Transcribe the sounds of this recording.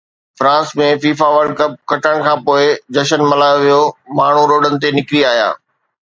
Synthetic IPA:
fɾãːsmẽfiːfaʋəɾɖ̚kɐp̚kɐʈəɽ̃̆kʰãːpoːɪd͡ʑɐʃənmɐlaːjoʋijomaːɳ̤uɾoːɖənɪ̆t̪̬enɪkɾiaːɦja̰ː

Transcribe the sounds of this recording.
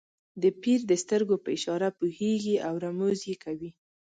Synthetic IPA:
d̪əpiɾd̪əst̪əɾɡopəɪʃɑɾapuheɡiʔawɾamozjekawi

